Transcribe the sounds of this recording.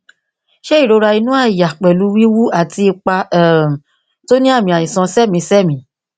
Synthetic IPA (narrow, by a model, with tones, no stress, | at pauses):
ʃɛ˦i˦˨ɾo˨˧˦ɾa˧i˧nũ˦a˦˨ja˨k͡pɛ˨lu˨˦wi˦wu˦a˦˨ti˧i˧k͡pa˧ɛ˦˨ | to˦nĩ˦a˦˨mĩ˧˨a˨jĩ˨sɔ̃˧sɛ˦˨mĩ˧˦sɛ˦˨mĩ˧˦